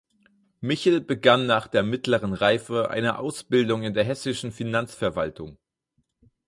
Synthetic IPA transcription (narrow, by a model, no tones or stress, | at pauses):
mɪçl̩bəɡanːaːχd̥eːɐmɪtləʁənʁaɪfəʔa̰ɪnəʔaʊsb̥ɪldʊŋɪndeːɐɦɛsɪʃn̩finant͡sfɛɐvaltʰʊŋ